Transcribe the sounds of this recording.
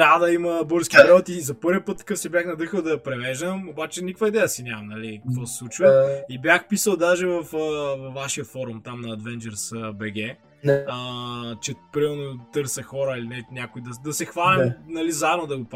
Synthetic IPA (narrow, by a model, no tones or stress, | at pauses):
t̪aəd̪ɐiməboɾskʲipɾɛot̪izɐpɤɾviəpɤt̪ːɐ̥kɤfsɛbʲjaxnɐd̪ɤxəlˠd̪ɐpɾɛvɛʒd̪əmobat͡ʃɛnʲikvɐid̪ɛjəsinʲamɐmnɐlikɐkvɔsɛ̥slˠut͡ʃvəibjaxpisəlˠd̪aʒɛvɐfəvɐvːaʃiəfɔɾumt̪amnɐːd̪vɛnd͡ʒɛɾsəbɛɡɛ | ət͡ʃɛpɾimɛɾnot̪ɤɾsəxɔɾəilinɛnʲakoid̪ɐd̪ɐsɛxvalɛmnɐlizaɛbnod̪ɐɡop